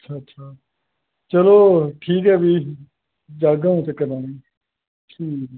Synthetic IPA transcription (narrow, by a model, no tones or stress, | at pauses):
ətːt͡ʃʰaːtːʃʰaː | t͡ʃəloːʈʰiːkɦɛːbiː | d͡ʒaːɡãːũːt̪ekəɾãːnĩː | ʈʰiːk